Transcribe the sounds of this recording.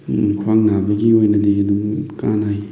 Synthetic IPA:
kʰwaŋnabɐɡiojnɐdiɐdumkanaj

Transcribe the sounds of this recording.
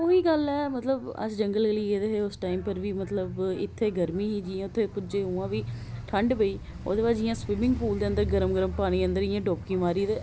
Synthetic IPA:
oɦiːɡəlɛːmət̪ləbə̰sd͡ʒəŋɡəleliːeːd̪eːɦeːʊsʈaːimpəɾʋiːmət̪ləbɪ̰t̪ʰːeːɡəɾmĩːɦiːd͡ʒiːãʊt̪ʰːeːpʊd͡ʒeːɦuːãːʋiːʈʰəɳɖbəiː | o̰ːd̪eːbaːd͡ʒd͡ʒɪjãːswɪmɪ̃ŋɡpuːld̪eːənd̪əɾɡəɾəmɡəɾəmpaːɽ̃iːə̃nd̪əɾɪjãːɖoːpkĩːʋaːɾiːd̪eː

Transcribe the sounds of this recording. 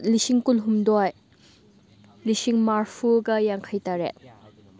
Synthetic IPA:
lisiŋkulɦumdɔj | lisiŋmaɾpʰuɡɐjaŋkʰɐjtaɾḛt̚

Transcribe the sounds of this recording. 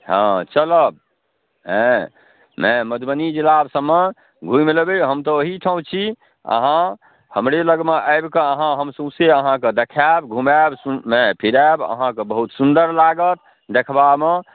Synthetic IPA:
ɦãt͡ʃələb̚ | ɦe | meməd̪ʱbənid͡ʒilabsəmːe | ɡʱũjmelbeɦəmt̪ɔoɦiʈʰəũt͡ʃʰi | ə̰ɦã | həmɾeləɡmeʔəɪbkeəɦãɦəmsũseəɦãkəd̪ekʰabɡʱumabsumẽpʰiɾabə̰ɦãkəbəɦut̪sund̪əɾlaɡət̪̚ | d̪ekʰbame

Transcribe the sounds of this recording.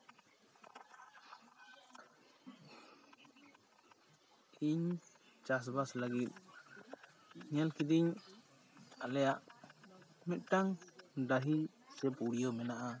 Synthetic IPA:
iɲ | d͡ʒas̬baslaɡit̪̚ˀ | ɲɛlkid̪iɲ | alɛjaʔ | mɛt̪̚ˀʈaŋdaɦi | sɛpuɽijɔmɛnaʔa

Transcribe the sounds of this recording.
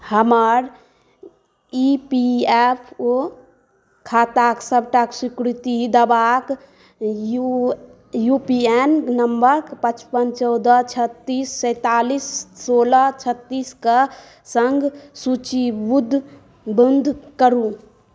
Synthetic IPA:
həməɾ | ipiepʰo | kʰaːt̪aksəbʱʈaksikɾɪt̪id̪əbak | u | jupiennəmbəɾkpət͡ʃpənt͡ʃɔʊd̪ət͡ʃʰət̪ːiːsːə̃t̪aːlissoːlat͡ʃʰət̪ːiːska | səŋɡsut͡ʃibud̪ʱ | bənd̪ʱkəɾũ

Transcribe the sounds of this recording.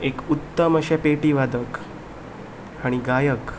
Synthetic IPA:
ekut̪ːəməɕapeʈiːʋad̪ək | aɽ̃iɡajək

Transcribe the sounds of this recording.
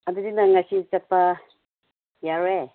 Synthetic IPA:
ad̪udinaŋasit͡ʃat̪̚pa | jaɾe

